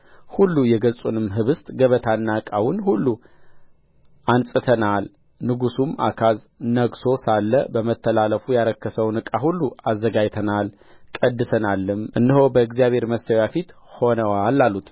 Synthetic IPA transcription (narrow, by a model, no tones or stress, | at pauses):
hulːujɛɡəsʼunɨmɦɨβɨst̪ʼɡəβət̪ʰanːakʼawʊnhulːu | ʔansʼɨt̪ʰənal | nɨɡusuma̰kʰaz | nəɡso̞salːəbəmət̪ʰːəlaləfujaɾəkːəsəwnɨkʼahulːuazːəɡajt̪ʰənal | kʼəd̪ːɨsənalːɨmʔɨnːɨɦo̞bəɨɡzijaβhe̞ɾməsəwjafit̪ | ho̞nəwalːalːut̪